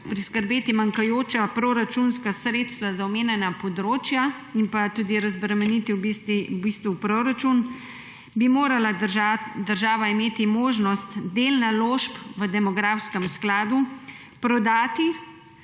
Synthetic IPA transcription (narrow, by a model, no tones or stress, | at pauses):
pɾiskəɾbeːt̪imaŋkajoːt͡ʃapɾoːɾat͡ʃunskasɾeːt̪st̪ʋazawmeːnɛnapɔd̪ɾoːt͡ʃja | impat̪uːd̪iɾazbɾɛmɛnit̪iwbist̪iubist̪ʋupɾoɾat͡ʃun | bimoːɾalaad̪əɾʒaːʋaimeːt̪imoːʒnɔst̪d̪eːlnaloːʃpʋəd̪ɛmɔɡɾaːfskɛmsklaːd̪u | pɾɔd̪aːt̪i